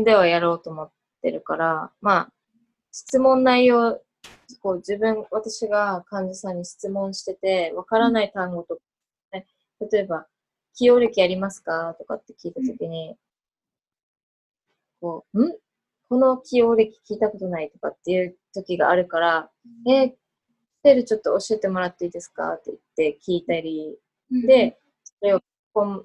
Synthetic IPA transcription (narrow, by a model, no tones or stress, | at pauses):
d̪e̞β̞ajaɾo̞ːt̪o̞ːmo̞t̪ːe̞̰ɾɯ̟kaɾama | ɕi̥t͡sɨmõ̞nːaijo̞ː | ko̞ːd͡ʑɨbɯ̟̃ŋβat̪aɕiɡakãɲ̟d͡ʑasãɲ̟ːiɕi̥t͡sɨmõ̞ɰ̃ɕi̥t̪e̞t̪e̞βakaɾanait̪ãŋɡo̞t̪o̞k | ne | t̪at̪o̞e̞ba | kʲio̞ːɾe̞kʲiaɾʲimasɨ̥kat̪o̞ka̰t̪ːe̞̥kʲiːt̪at̪o̞kʲiɲ̟i | ko̞ːɯ̟̃ɴ | ko̞no̞kʲio̞ːɾʲe̞kʲi̥kʲiːt̪ako̞t̪o̞nait̪o̞kat̪ːe̞jɯ̟ːt̪o̞kʲiɡa̰ːɾɯ̟kaɾa | e̥ | t̪e̞ɾɯ̟t͡ɕo̞t̪ːoːɕie̞t̪e̞mo̞ɾat̪ːe̞iːd̪e̞sɨ̥ka̰t̪ːeit̪ːe̞kʲiːt̪aɾʲi | d̪e̞ | soɾe̞ok | kõm